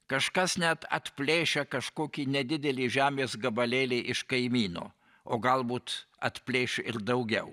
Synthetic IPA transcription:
kɐʃkɐsnʲæt̪ɐ̰t̪ʲpʲlʲeːʃʲɛkɐʃkoːkʲiːnʲɛd̪ʲɪd̪ʲɛlʲiːʒʲæːmʲeːsɡɐbɐlʲeːlʲɛɪʔɪʃkɐɪmʲiːno̰ː | oːɡɐlˠbuːt̪ | ɐ̰t̪ʲpʲlʲeːʃʲʊʔɪɾd̪ɐʊɡʲɛʊ

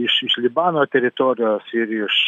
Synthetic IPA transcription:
ɪʃɪʃlʲɪbɑːnoːt̪ʲɛɾʲɪt̪oːɾʲɪjoːsɪɾɪʃ

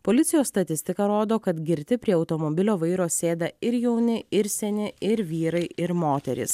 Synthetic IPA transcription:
poːlʲɪt̪sʲɪjoːsst̪ɐt̪ʲɪsʲt̪ʲɪkɐɾoːd̪oːkɐt̪ɡʲɪɾʲt̪ʲɪpʲɾʲiɛɐʊt̪omoːbʲɪlʲoːʋɐɪɾoːsʲeːd̪ɐɪɾjɛʊnʲɪɪɾʲsʲɛnʲɪɪɾʋʲiːɾɐɪɪɾmoːt̪ʲɛɾʲḭːs

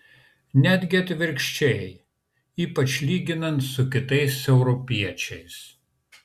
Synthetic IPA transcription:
nʲæd̪ʲɡʲɪɐt̪ʲʋʲɪɾʲkʃʲt͡ʃʲɛ | iːpɐt͡ʃʲlʲiːɡʲɪnɐnt̪sʊkʲɪt̪ɐɪsɛʊɾɔpʲiɛt͡ʃʲɛɪs

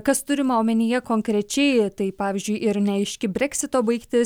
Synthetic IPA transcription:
kɐst̪ʊɾʲɪmɐoːmʲɛnʲiːjɛkoːŋkɾʲɛt͡ʃʲɛɪt̪ɐɪpɑːʋʲɪzʲd͡ʒʲʊɪʔɪɾnʲɛɐɪʃʲkʲɪbʲɾʲɛksʲɪt̪oːbɐɪkt̪ʲɪ

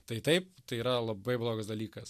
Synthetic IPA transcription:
t̪ɐɪt̪ɐɪpt̪ɐɪiːɾɐlˠɐbɐɪblˠoːɡɐsd̪ɐlʲiːkɐs

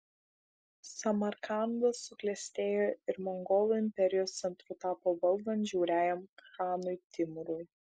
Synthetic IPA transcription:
sɐmɐɾkɑnd̪ɐsːʊklʲɛsʲt̪ʲeːjoɪɾmɔŋɡɔlˠʊɪmʲpʲɛɾʲɪjoːst̪sʲɛnt̪ɾʊt̪ɑːpoːbɐlˠd̪ɐnʒʲuːɾʲæːjɛmxɑːnʊjt̪ʲɪmʊɾʊj

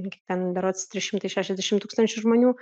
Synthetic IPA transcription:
kʲekt̪ʲɛnd̪ɐɾoːt̪st̪ʲɾʲɪʃʲɪmt̪ɐɪʃʲæːʃʲɛzd̪ʲæʃʲɪmt̪uːkst̪ɐnʲt͡ʃʲʊʒmoːnʲuː

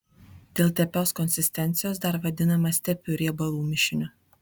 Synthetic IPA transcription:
d̪ʲeːlˠt̪ʲɛpʲoːskɔnʲsʲɪsʲt̪ʲɛnʲt̪sʲɪjoːsd̪ɐɾʋɐd̪ʲɪnɐmɐst̪ʲɛpʲʊɾʲiɛbɐlˠuːmʲɪʃʲɪnʲʊ

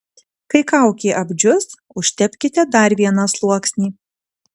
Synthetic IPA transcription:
kɐɪkɐˑʊkʲeːʔɐbʲd͡ʒʲʊs | ʊʃʲt̪ʲɛpʲkʲɪt̪ʲɛd̪ɐˑɾʲʋʲiɛnɐslˠuɔksʲnʲiː

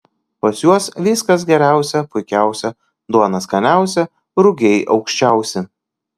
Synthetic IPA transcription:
pɐsjuɔsʋʲiːskɐsɡʲɛɾʲæˑʊsʲɛpʊɪkʲæˑʊsʲɛ | d̪uɔnɐskɐnʲæˑʊsʲɛ | ɾʊɡʲɛɪʔɒʊkʃʲt͡ʃʲɛˑʊsʲɪ

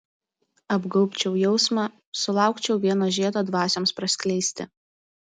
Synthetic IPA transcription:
ɐbɡɐʊpʲt͡ʃʲɛʊjɛʊsmɑ | sʊlˠɑˑʊkt͡ʃʲɛʊʋʲiɛnoːʒʲiɛt̪oːd̪ʋɑːsʲoːmspɾɐsʲkʲlʲɛɪsʲt̪ʲɪ̰

